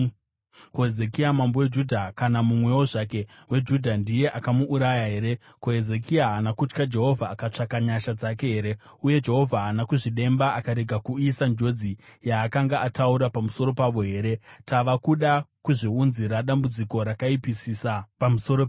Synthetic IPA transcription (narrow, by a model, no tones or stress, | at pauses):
koeze̞kiamambo̞wed͡ʒudʱakanamumwe̞wo̞ʐake̞ | we̞d͡ʒudʱandije̞ʔakamuʔːɾajaɦe̞ːɾe̞ | koɦeze̞kiaɦanakut͡ʃkad͡ʒe̞ɦo̞vʱaːkat͡ʂakaɲaʃad͡zake̞ɦe̞ɾe̞ | uje̞d͡ʒe̞ɦo̞vʱaɦːnakuʐiɗe̞mbaʔakaɾe̞ɡʱakuisand͡ʒo̞d͡zijaːkaŋɡaʔatʰauɾapamuso̞ɾo̞paʋo̞ɦe̞ːɾe̞taʋakuɗakuʐiunziɾaɗambud͡ziko̞ɾakaipisisapamuso̞ɾo